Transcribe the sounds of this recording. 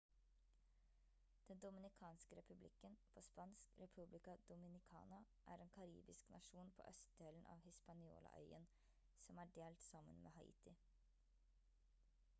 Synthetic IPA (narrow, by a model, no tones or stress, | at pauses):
d̪̥ɛnd̪ʊmɪnɪkʰɑːnskəɾɛpʉblɪkːənpʰoːspɑnskɾɛpʰʉblɪkɑd̪ʊmɪnɪkʰɑ̰ːnɑ | ʔæ̰ːɾeːnkʰɑɾḭːbɪsknɑʂuːnpʰo̰ːʔœst̪̚d̪eːlən̩ʔɑ̰ːʋhɪspɑnɪo̰ːlɑ̰ʔœ̰ʏən | sɔmæːɖeːlt̪sɑmə̰nmʔḛːɦhɑḭːt̪ɪ